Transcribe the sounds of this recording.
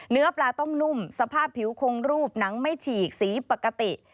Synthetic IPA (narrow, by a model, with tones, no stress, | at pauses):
nɯ˦˥ɐplaː˧t̪ɔ˥˩ŋnu˥˩msa˧pʰaː˥˩pʰːi˩˦wkʰo˧ŋɾuː˥˩p̚na˩˦ŋma˥˩jt͡ɕʰiː˨˩k̚siː˩˦pa˨˩kːa˧t̪i˨˩ʔ